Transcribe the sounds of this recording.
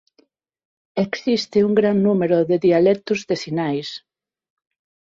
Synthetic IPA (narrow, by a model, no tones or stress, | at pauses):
eksist̪ɪuŋɡɾannumeɾʊðeðialɛk̚t̪ʊzðesinajs